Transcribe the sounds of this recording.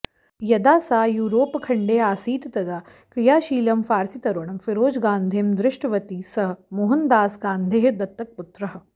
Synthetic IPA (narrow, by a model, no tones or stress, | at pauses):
jɐd̪aːsaːjuːɾoːpkʰɐɳɖeːaːsiːt̪t̪ɐd̪aː | kɾijaːʃiːlɐmfaːɾsit̪ɐɾʋɐɳɐmfiɾoːd͡ʒɡaːnd̪ʱemd̪ɾɪʂʈɐʋɐt̪iːsɐɦɐmoɦɐnd̪aːsɡaːnd̪ʱeːɦd̪ɐt̪ːɐk̚put̪ɾɐɦɐ̆